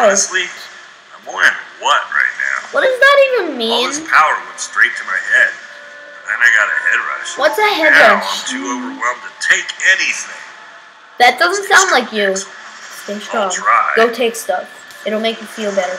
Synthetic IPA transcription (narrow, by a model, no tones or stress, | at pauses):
oslip | ãmwɔɨ̃nwʌt̚ɹa̰ɪtⁿna̰ʊwʌɾɨzbaɪɾivɨ̃mĩnzpʰaʊə˞wɛ̃nstɹ̥eɪtʰɨmaɪhɛd̥̃̚ | nðɨ̃naɪɡɑɾɨ̰hɛd̚ɹʌ̰ʃwʌtsɨɦɛd̚ɹʌʃtʰʉwəwʌ̃tʰɨtʰeɪkɛniθɪ̰̃ŋ | ðɨt̚d̥ʌz̃n̩tsãʊ̃ndˡlaɪkjʉ | tɪ̃skʰʌ̃ɹ̥aɡ̥oʊtʰeɪkstʌf | ɨɾl̩ˠmeɪkjɨtfilˠbɛɾə˞